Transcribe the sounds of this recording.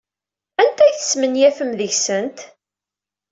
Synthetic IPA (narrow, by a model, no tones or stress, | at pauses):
ænt̪æjθə̥smənjæfəmðəʝsənt̪